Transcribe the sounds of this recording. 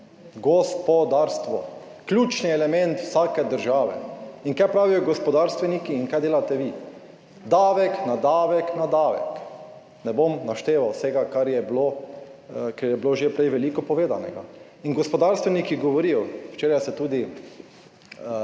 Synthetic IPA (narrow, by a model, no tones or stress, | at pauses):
ɡɔspɔd̪aːɾst̪ʋɔ | klʲuːt͡ʃniɛlɛmɛ̃nt̪wsaːkɛd̪əɾʒaːʋɛ̰iŋkajpɾaːʋijɔɡɔspɔd̪aːɾst̪ʋɛnikiːŋkajd̪eːlat̪ɛʋi | d̪aːʋɛknad̪aːʋɛknad̪aːʋɛ̰k | nɛbomnaʃt̪eːʋawsɛɡakaɾjɛblo | kaɾjɛbloʒepɾɛjʋɛlikɔpɔʋeːd̪anɛ̰ɡa̰ | inɡɔspɔd̪aɾst̪ʋɛnikiɡɔʋɔɾijɔwt͡ʃeːɾajsɛt̪uːd̪i